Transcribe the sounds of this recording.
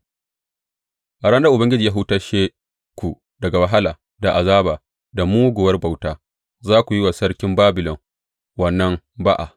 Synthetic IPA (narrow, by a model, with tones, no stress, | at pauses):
ʔa˨ɽɐ˦nda˦ʔʊ˨bɐ˦ŋɡʲɪ˦d͡ʒiː˨jaː˦ɦu˦taː˦ʃeː˦ | kʷu˨ | dɐ˨ɡa˨wa˨ɦa˦laː˨ | da˨ʔa˨zaː˦baː˨ | da˨muː˦ɡʷʊ˨wɐ˦rba˨wtaː˦ | zaː˦kʷu˨ji˦waː˨sɐ˦ɽkʲɪ˦mbaː˦bɪ˨lɔ˨ŋ | wɐ˨nːɐ˦m | ba˦ʔa˨